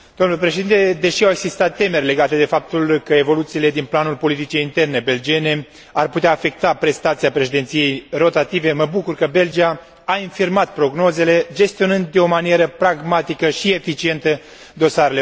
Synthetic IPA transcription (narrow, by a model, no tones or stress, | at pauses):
d̪omnulepɾe̞ʃed̪int̪e̞d̪e̞ʃiawe̞ɡsist̪at̪ːe̞me̞rʲle̞ɡat̪e̞d̪e̞fap̚t̪ulkəe̞vo̞lut̪siːle̞d̪inplanulpo̞lit̪it͡ʃeint̪e̞rne̞be̞ld͡ʒie̞ne̞ | arput̪eaːfe̞k̚t̪apɾe̞st̪at̪siapɾe̞ʃed̪ent̪sije̞jro̞t̪at̪ive̞məbukurkəbe̞ld͡ʒiaː | infirmat̪̚pɾo̞ɡno̞ze̞le̞d͡ʒe̞st̪io̞nɨnd̪d̪eo̞manije̞ɾəpɾaɡmat̪ikəʃie̞fit͡ʃie̞nt̪ə | d̪o̞saɾe̞le